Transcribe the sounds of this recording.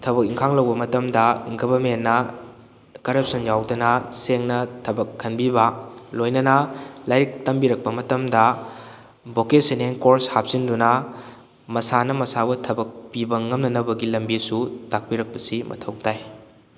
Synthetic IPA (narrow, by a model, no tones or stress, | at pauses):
tʰɐbɐk̚iŋkʰaŋlɐwbɐmɐtɐmdɐɡɐbɐɾmenːɐ | kɐɾɐp̚sɐnjawdɐnɐseŋnɐtʰɐbɐkʰːɐnbibɐlojnɐnɐlajɾik̚tɐmbiɾɐk̚pɐmɐtɐmdɐ | bokeseneŋkoɾshap̚sindunɐ | mɐsanɐmɐsabɐtʰɐbɐk̚pibɐŋɐmnɐnɐbɐɡilɐmbisutak̚piɾɐk̚pɐsimʔɐ̰tʰɐwk̚taj